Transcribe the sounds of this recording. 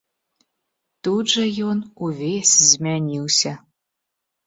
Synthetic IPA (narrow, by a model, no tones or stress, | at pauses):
t̪ud͡ʒɐjonuvesʲzmʲænʲiwsʲɐ